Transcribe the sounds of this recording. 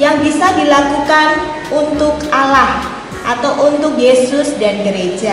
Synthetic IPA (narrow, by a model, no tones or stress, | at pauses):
jaŋbisadilakukan | unt̪ʊkʔalah | ʔat̪awʔunt̪ʊk̚jesʊsdanɡəɾe̥ʒ̥a